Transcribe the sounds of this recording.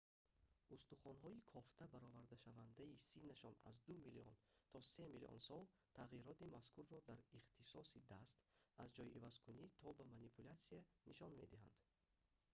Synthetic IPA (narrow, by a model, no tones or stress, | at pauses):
ʔust̪uχɔnɦɔikʰɔft̪ʰabaɾɔvaɾd̪aʃavand̪aisinːaʃɔna̰zd̪umiliɔ̰nt̪ʰɔse̞milḭʔɔ̰nsɔlˠ | t̪ʰaʁiɾɔt̪imaskuɾːɔd̪aɾiχt̪ʰisɔsid̪ast̪azd͡ʒɔjivazkʰunit̪ʰɔbamanipʰulat̪sianiʃɔnme̞d̪iɦa̰nd̪̥